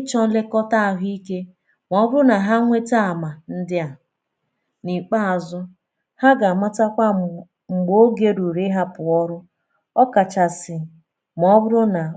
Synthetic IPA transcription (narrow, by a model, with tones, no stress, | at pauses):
ɪ˦t͡ʃɔ˦le˦kɔ˦ta˦˨ɦi˦ke˦ | m˨ɔ˨˦bʊ˦ɾʊ˦na˨ɦa˦ŋʷe˦ta˦a˨ma˨n̩˦dɪ˦a˨ | ni˨k͡pa˦a˨zʊ˦ | ha˦ɡa˨ma˦ta˦kʷa˦ | ŋ͡m̩˨ɡ͡bo˦ɡe˦ɾu˨ɾɪ˦ɦa˦pʊ˨ɔ˦ɾʊ˦ | ɔ˦ka˨t͡ʃa˨sɪ˨ | m˨ɔ˦bʊ˦ɾʊ˦na˨